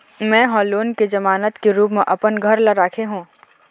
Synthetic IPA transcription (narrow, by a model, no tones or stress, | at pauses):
mɛ̃ːɦɔːloːnked͡ʒɐmaːnət̪keɾuːpmẽʔɐpənɡʱɐɾlɐɾaːkʰeɦũː